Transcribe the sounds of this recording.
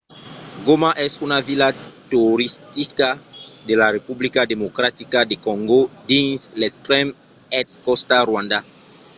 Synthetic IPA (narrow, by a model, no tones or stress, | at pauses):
ɡomaʔɛsunavilat̪uoɾist̪ikad̪elarepublikad̪emokɾat̪ikadekɔ̃ŋɡod̪ĩnslestɾɛmɛtskɔst̪arwãnd̪a